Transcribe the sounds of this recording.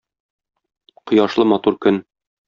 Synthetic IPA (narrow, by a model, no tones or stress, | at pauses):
qŏjɑʃlˠɤmɒt̪uɾkɵn